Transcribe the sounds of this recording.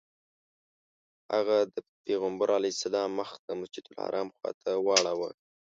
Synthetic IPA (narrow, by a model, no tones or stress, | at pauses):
ha̰ɣad̪əpeɣambaɾʔɑlisad̪ɑməxd̪əmʊsd͡ʒid̪ʊlha̰ɾʔɑmxwɑ̰t̪ʰawɑɽawa